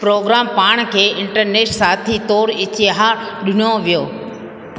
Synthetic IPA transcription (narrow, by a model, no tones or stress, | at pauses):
pɾoːɡɾaːmpaːɽ̃kʰeːɪ̃ɳʈəɾneːʃsaːt̪ʰit̪oːɾɪt͡ɕeɦaɗʊnoʋijoː